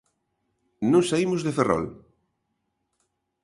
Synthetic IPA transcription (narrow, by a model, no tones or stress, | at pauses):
nũŋsaimʊzðeferɔ̰l